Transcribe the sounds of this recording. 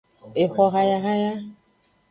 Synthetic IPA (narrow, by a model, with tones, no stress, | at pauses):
e˨xɔ˧ɣa˧ja˧ɣa˦ja˦